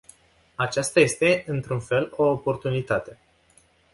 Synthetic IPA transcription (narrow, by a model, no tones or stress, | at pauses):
at͡ʃast̪aje̞st̪e̞ɨnt̪ɾunfe̞lo̞ːpo̞rt̪unit̪at̪e̞